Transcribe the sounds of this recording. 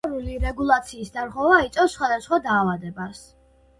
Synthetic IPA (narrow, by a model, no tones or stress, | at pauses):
ɾuliɾɛɡulˠat̪sʰiːsd̪aɾʁɛvait̪sʼɔfsːχwad̪asχwad̪aːvad̪ɛbas